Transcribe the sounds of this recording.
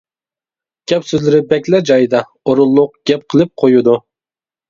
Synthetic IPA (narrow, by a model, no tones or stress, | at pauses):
ɡ̥ʲɛpsøzlɪɾɪbɛkʲlɛd͡ʒɑjd̪ɑ | oɾʊlˠːʊq̚ɡ̥ʲɛp̚qʰəlˠɨp̚qʰojud̪u